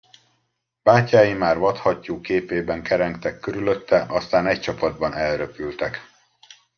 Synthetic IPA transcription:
b̥aːcːaːjimaːrvɒt̪hɒcːuːkeːpeːbɛŋkɛɾɛŋkt̪ɛkːøɾylø̞t̪ʰːɛʔɒst̪aːnɛc̚t͡ʃɒpɒd̪̚bɒnɛlrøpylt̪ɛk

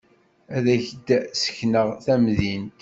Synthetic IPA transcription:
æðæçəd̪sə̥çnəʁθæmðint̪

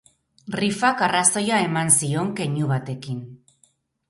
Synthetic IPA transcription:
rifakaraso̞jae̞mansio̞ŋke̞ɲuβat̪e̞kin

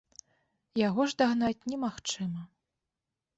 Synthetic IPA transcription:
jaɣɔʐd̪aɣnat͡sʲnʲɛmaxt͡ʂɨmɐ

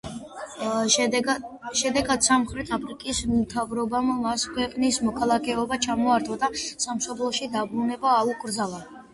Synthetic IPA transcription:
ʃɛd̪ɛɡad̪̥samχɾɛt̪ʰapʰɾikʼist̪ʰavɾɔbammaskʰwɛqʼnismɔkʰalˠakʰɛɔbat͡ʃʰamɔaɾt̪ʰɔd̪asamʃɔblˠɔʃid̪abɾunɛbaːuɡʼɾd̪zalˠa

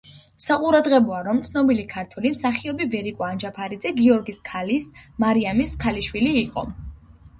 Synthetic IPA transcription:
saqʼuɾad̪ʁɛbɔaɾɔmt̪sʰnɔbilikʰaɾt̪ʰwɛlimsaχiɔbivɛɾikʼɔand͡ʒapʰaɾid̪zɛɡiɔɾɡiskʰalismaɾiamiskʰaliʃwiliːqʼɔ̰

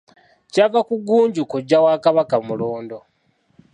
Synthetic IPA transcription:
cavakuɡuːɲɟukuɟːawaːkaβakamuloːndo

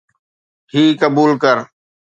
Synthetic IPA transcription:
ɦiːkəbuːlkəɾ

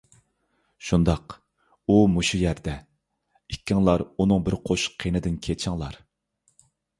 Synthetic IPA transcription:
ʃund̪ɑq | umuʃujæɾd̪ɛ | ikʲːɪŋlˠɑɾunɨŋbɪɾqʰoʃqʰːenɪd̪ɪnkʲʰet͡ʃʰɪŋlˠɑɾ

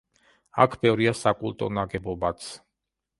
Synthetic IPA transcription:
a̰kʰbɛvɾiasakʼulˠt̪ʼɔ̰naɡɛbɔbat̪sʰ

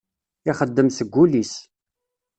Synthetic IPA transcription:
iχəd̪ːəmsəɡʷːulis

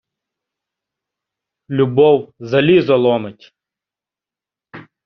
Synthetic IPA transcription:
lʲubɔwzɐlʲizɐlˠɔmetʲ

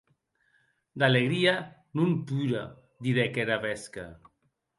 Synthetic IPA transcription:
d̪aleɣɾianumpuɾa̰ | d̪iɾɛkeɾaβɛska̰

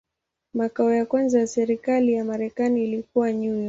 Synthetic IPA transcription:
makaɔjakwanzajasɛɾikalijamaɾɛkaniːlikuwaɲujɔ

